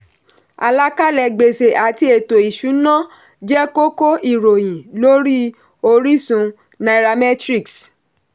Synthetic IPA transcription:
a̰˨la˦ka˦lɛ˧˨ɡ͡be˨se˨a˨ti˧˦e˨to˨i˨ʃu˨˦nã˦ | d͡ʒɛ˦ko˦ko˦i˨ɾo˨j̃ĩ˨lo˦ɾi˦ | o˧ɾi˦sũ˧ | na˨ɾa˧mɛ˦tɾi˦˨ks

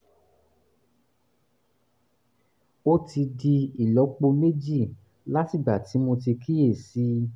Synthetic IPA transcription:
o˦ti˧di˧i˨lɔ˨˦k͡po˧me˦d͡ʒi˦˨ | la˦ti˦˨ɡ͡ba˨ti˨˦mõ˧t̬i˧kʰi˦je˦˨si˨˦

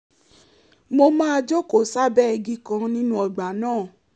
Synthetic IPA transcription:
mo˧mã˦a˧d͡ʒo˦ko˨sa˦bɛ˦ɛ˧ɡĩ˦kã˧nĩ˦nũ˦ɔ˧ɡ͡ba˨˦nãː˦˨

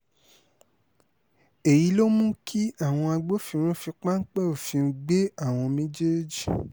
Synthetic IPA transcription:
e˨ji˨˦lo˦mũ˦kʰi˦a˦˨w̃ɔ̃˧a˧ɡ͡bo˦fĩ˧ɾ̃ũ˦fi˧k͡pa˦ŋ̩˦k͡pɛ˦o˨fĩ˧ŋ̩˦ɡ͡be˦a˦˨w̃ɔ̃˧mẽ˦d͡ʒe˦d͡ʒi˦˨

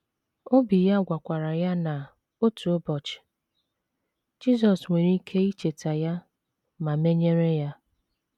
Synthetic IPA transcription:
o˦bi˨ja˦ɡʷa˨kʷa˨ɾa˨ja˦na˨ | o˦tu˨o˦bɔ˨t͡ʃɪ̥˨ | d͡ʒi˦zɔ˨sŋʷe˨ɾi˦kʰe˦i˦t͡ʃe˨ta˨ja˦ | ma˨me˦ɲe˦ɾe˦ja˦

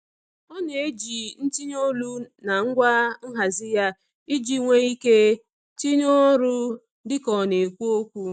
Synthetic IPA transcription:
ɔ˦ne˦d͡ʒi˨n̩˦ti˦ɲ˦o˦lu˦na˨ŋ̩˦ɡʷa˦ŋ̩˦ɦa˨zɪ˦ja˦ | i˦d͡ʒi˦ŋʷe˦i˦ke˦ | ti˦ɲo˦ɾʊ˦ | dɪ˦kɔ˨ne˨kʷu˦o˦kʷu˦

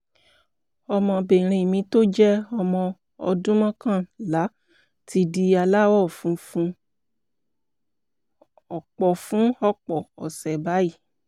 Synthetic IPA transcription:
ɔ˧mɔ̃˧be˨ɾ̃ĩ˧˨mĩ˧to˦d͡ʒɛ˦ɔ˧mɔ̃˧ | ɔ̰˧dũ˦mɔ̃˦kã˦˨la˨˦ | ti˧di˧a˧la˦wɔ˦˨fũ˨˦ | ɔ˨k͡pɔ˨fũ˨˦ɔ˦k͡pɔ˨ɔ̰˨sɛ˨ba˨˦ji˦˨

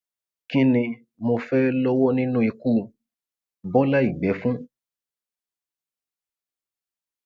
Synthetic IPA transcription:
ki˦nĩ˧ | mo˧fɛ˦lɔ˦wɔ˦nĩ˦nũ˦i˧ku˦ | bɔ˦la˦i˨ɡ͡bɛ˨˦fũ˦

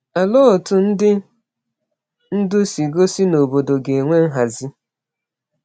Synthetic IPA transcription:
a˨lɔ˦˨tʊ˨n̩˦dɪ˦ | n̩˦dʊ˦si˨ɡo˦si˦no˨bo˨do˨ɡe˨ŋʷe˦n̩˦ɦa˨zi˦

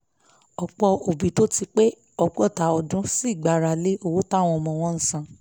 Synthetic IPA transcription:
ɔ˨k͡pɔ˧o˨bi˨to˦ti˧k͡pe˦ | ɔ˦˨k͡pɔ˦˨ta˨ɔ˨dũ˨˦si˦˨ɡ͡ba˨ɾa˨le˨˦ʔo˦˨wo˦ta˦˨w̃ɔ̃˧mɔ̃˨w̃ɔ̃˧˦n̩˨sã˧

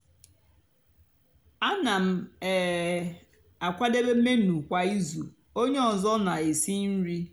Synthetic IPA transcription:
a˦na˨m̩˦˨ | a˨kʷa˦de˦be˦m̩˦me˦nu˨kʷa˨i˦zu˨ | o˦ɲe˦ɔ˨zɔ˦na˨e˨si˦n̩˦ɾi˦

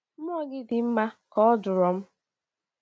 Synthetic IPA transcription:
m̩˦ɔ˦ɡɪ˦dɪ˨m̩˦ma˦kɔ˨ɔ˦dʊ˨ɾɔ˨m̩˦

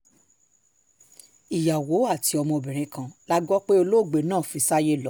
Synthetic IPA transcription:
i˨ja˨wo˨˦a˦˨ti˨˧ɔ˧mɔ̃˧o˨bĩ˨ɾ̃ĩ˧˦kã˧la˦ɡɔ˦k͡pe˦o˧lo˦˨ɡ͡be˨nãː˦˨fi˧sa˦je˦lɔ˦

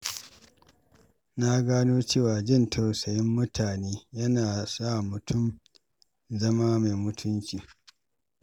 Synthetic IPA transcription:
na˦ɡaː˦noː˦t͡ʃeː˦˨waː˨d͡ʒɛ˦˨ntʰɐ˨wsɐ˨jɪ˦mːʊ˦tʰaː˨neː˦jɐ˦naː˨sa˦˨mʊ˨tʰʊ˦˨m | zɐ˦maː˦ma˨mʊ˦tʰʊ˦nt͡ʃʲiː˨

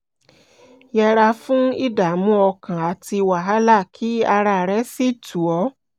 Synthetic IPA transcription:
jɛ˧ɾa˧fũ˦i˦da˨mũ˦ɔ˧kã˨a˨ti˧wa˨ɦa˦la˦˨kʰi˦a˧ɾa˧˨ɾɛ˨˦si˦˨tu˨ɔ˨˦

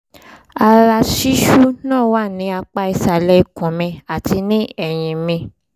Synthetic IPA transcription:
a˧ɾa˧ʃi˦ʃu˦nãː˦˨wa˦˨nĩ˨˦a˧k͡pa˧i˧sa˨lɛ˧˦i˧kɔ̃˨mɛ̃˧a˨ti˧nĩ˦ɛ˨j̃ĩ˧mĩ˧

